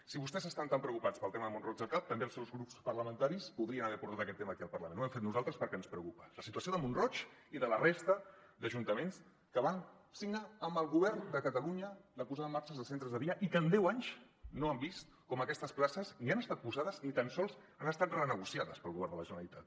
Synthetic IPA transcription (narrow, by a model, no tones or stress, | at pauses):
siβust̪ɛzəst̪ant̪ampɾəukupat͡spəlˠt̪eməðəmunrɔd͡ʒðəlˠkap̚t̪əmbelsɛwzɣɾupspəɾləmə̃nt̪aɾispuðɾiənəβɛɾpuɾt̪at̪əkɛt̪ːeməːkiəlˠpərləmẽnuwɛmfet̪nuzalˠt̪ɾəspəɾkɛənspɾəwkupə̥ləsit̪uəsioðəmunrɔt͡ʃiðələrest̪əd̪əʒunt̪əmens | kəβan | siɡnaəmbəlˠɣuβɛɾnd̪əkət̪əluɲələpuzaðəmaɾt͡ʃəzðəsent̪ɾəzðəðiəʔikəːnd̪ɛwaɲz | noəmbist̪̚ | kɔməkɛst̪əsplasəznianəst̪at̪̚puzaðəznit̪ənsɔlˠz | anəst̪at̪rənəɣ̞usiaðəspəlˠɣuβɛrnd̪ələʒənəəlit̪at̪̚